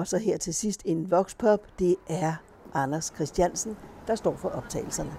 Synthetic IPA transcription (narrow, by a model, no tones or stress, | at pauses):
ɒ̽sɒ̽ɦeɐ̰t͡sʰe̝sisd̥e̝nʋɒ̽ɡ̥spʰɒ̽b̥d̥e̝ʔæɐ | ʔɑ̈næskʰʁɛsd̥jænsn̩d̥ɑ̈sd̥ɒ̰ːfɒ̽ʔɒ̽b̥̚t͡sʰɛ̰ːɪl̩sɐnə